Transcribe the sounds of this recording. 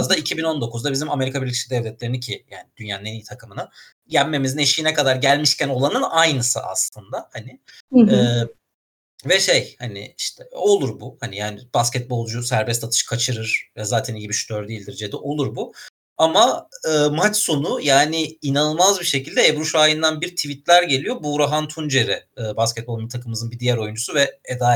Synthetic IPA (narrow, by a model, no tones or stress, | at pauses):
zd̪aicʰibino̞nd̪o̞kʰuzd̪abizimame̞ɾikʰabiɾlʲiʃid̪ɛvlʲɛt̪lʲe̞ɾinicʰijaːnid̪ynjaːɯnenijit̪ʰakʰɯmɯna | jæmːe̞mizine̞ʃijinɛkʰad̪aɾɟælʲmiʃcʰæno̞lˠanɯnajnɯsɯ̰a̰slˠɯnd̪ahanɪɛː | vɛʃe̞jhanɪ̰iʃt̪ʰɛo̞lˠuɾbuhanijaːnɪb̥ascɛt̪̚bo̞lˠd͡ʒusæɾbɛst̪ʰat̪ʰɯ̥ʃkʰat͡ʃʰɯɾɯɾ̥jɛzaːt̪ʰænijibiʃy̥t̪ʰøɾd̪ijilʲd̪iɾd͡ʒed̪ɛʔo̞lˠuɾbu | amaɯːmat͡ʃso̞nujaːnɪinanɯlˠmazbiʃe̞cilʲd̪ɛebɾuʃaːjɯnd̪anbiɾt̪ʰivit̪lʲæɾɟelʲijo̞buɾaɦant̪ʰund͡ʒe̞ɾɛɯːbascʲɛt̪̚bolˠnt̪ʰakʰɯmɯzɯnbid̪ijæɾo̞jund͡ʒusuvɛed̪aː